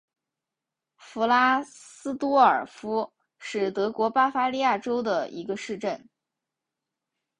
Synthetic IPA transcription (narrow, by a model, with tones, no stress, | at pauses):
fu˧˥la˥sɹ̩˥t̪wɔ˥ə˞˨˩fu˥ | ʂɻ̩˥˩t̪ɤ˧˥kwɔ˧˥pa˥fa˥li˥˧ja˥˩ʈ͡ʂo˥ʊd̪ə˨ḭ˧˥ɡə˧ʂɻ̩˥˧ʈ͡ʂə˥˩n